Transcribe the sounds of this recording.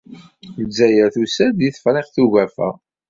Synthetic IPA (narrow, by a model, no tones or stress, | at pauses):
əzːæjæɾθusæd̪iθfɾeqθuʝæfæ̰